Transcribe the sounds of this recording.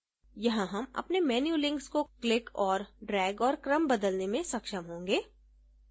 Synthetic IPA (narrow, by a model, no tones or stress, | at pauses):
jɐɦãɦɐmɐ̰pnemɛːnjuːlɪ̃ŋkskoklɪkɔːɾɖɾɛːɡɔːɾkɾəmbɐd̪əlnemẽsɐkʃəmɦõːŋɡeː